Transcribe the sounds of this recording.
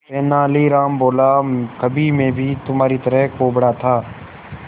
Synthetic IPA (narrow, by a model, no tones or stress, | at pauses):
ɛːnaːliɾaːmboːlakɐbʱimẽbʱit̪ʊmɦaːɾit̪ɐɾəɦkoːbɽat̪ʰaː